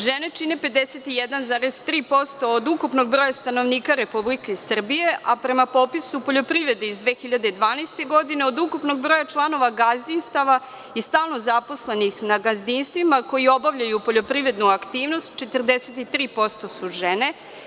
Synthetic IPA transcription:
ʒene̞t͡ʃine̞ped̪eset̪ijed̪anzaːɾezt̪ɾiːpo̞st̪o̞ːd̪ukupno̞ɡ̚bɾojast̪ano̞ʋniːkaɾe̞publike̞isr̩bije̞ʔapɾe̞mapo̞pisupo̞ʎo̞pɾiʋɾe̞d̪eizd̪ʋexiʎad̪ed̪ʋaːnajst̪e̞ɡo̞d̪ine̞od̪ukupno̞ɡbɾojat͡ʃlˠano̞ʋaɡazd̪inst̪aʋa | ist̪aːlˠno̞zapo̞sle̞nixnaɡazd̪inst̪ʋimako̞jio̞baʋʎajupo̞ʎo̞pɾiʋɾe̞d̪nuakt̪iːʋno̞st̪̚t͡ʃe̞t̪r̩d̪eset̪it̪ɾiːpo̞st̪o̞suʒene̞

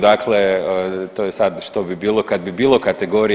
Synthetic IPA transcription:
d̪aklet̪ojesad̪ʃt̪o̞bibiːlˠo̞kad̪̚bibiːlˠo̞kat̪eɡo̞ɾi

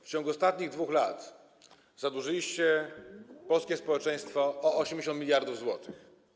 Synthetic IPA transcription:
ft͡ɕɔ̃ŋɡuɔst̪at̪ɲiɣd̪vuxlat̪ | zad̪wuʐɘlʲiɕt͡ɕɛ | pɔlskʲɛspɔwɛt͡ʂɛj̃st̪fɔːɔɕɛmd͡ʑeɕ̬ɔnt̪mʲilʲjaɾd̪uvzwɔt̪ɘx

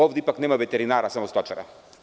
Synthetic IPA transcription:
ɔvd̪ɛipaknɛmavɛt̪ɛɾinaɾasamɔst̪ɔt͡ʃaɾa̰

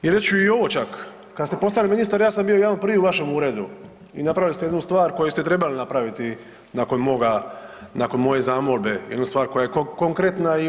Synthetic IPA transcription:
jiɾet͡ʃuio̞ʋo̞t͡ʃakː | ad̪st̪e̞po̞st̪aliminist̪aɾjaːsambijo̞jaːnopɾʋiuʋaʃe̞muːɾe̞d̪u | inapɾaʋilist̪ejenust̪ʋaːɾko̞jest̪et̪ɾe̞balinapɾaʋit̪i | nako̞nmo̞ɡanako̞nmo̞je̞zaːmo̞lbe̞jed̪nust̪ʋaːɾko̞jajekokoŋkɾet̪nai

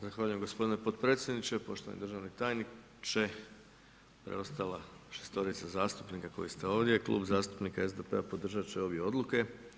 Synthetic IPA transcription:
zaxʋaːʎuje̞mɡo̞spo̞d̪inepo̞d̪̚pɾet̪sjed̪nit͡ʃepo̞ʃt̪oa̰nḭd̪rʒaʋnit̪aːjni | t͡ʃe̞ | pɾḛo̞st̪alˠaʃest̪o̞ɾit̪sazaːst̪u̥pnikako̞̰jist̪eo̞ːʋd̪je̞klṵːbzaːst̪u̥pnikae̞zd̪epe̞apo̞d̪r̩ʒat͡ʃeo̞bjieo̞d̪lˠuke̞

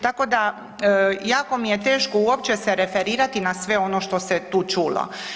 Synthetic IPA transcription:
t̪ako̞d̪a | jaːko̞mijet̪e̞ːʃkouop̚t͡ʃesɛɾefeɾiːɾat̪inasʋe̞o̞noʃt̪o̞set̪uːt͡ʃuːlo̰

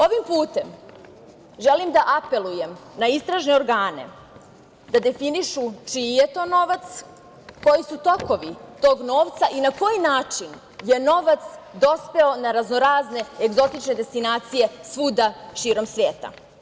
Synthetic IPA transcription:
o̞ʋimpuːt̪e̞m | ʒe̞limd̪aʔape̞luje̞mnaist̪ɾaʒne̞o̞ɾɡaːne̞̰ | d̪ad̪e̞finiʃut͡ʃije̞t̪o̞ːno̞ʋat̪s | ko̞jisut̪o̞ko̞ʋit̪o̞ːɡno̞ːʋt̪saʔinako̞jinaːt͡ʂin | je̞no̞ʋat̪sd̪o̞spe̞o̞naɾaznoɾaːzne̞eɡzo̞t̪it͡ʃne̞d̪e̞st̪inaːt̪sije̞sʋud̪aʃiːɾo̞msʋe̞ːt̪a̰

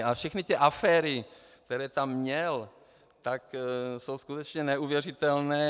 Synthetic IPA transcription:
afʃɛxnɪt̪ɛʔafɛːɾɪk̚t̪ɛɾɛːt̪amːɲɛl | t̪akso̞wskut̪ɛt͡ʃɲɛnɛuvjɛr̝ɪt̪ɛlnɛː

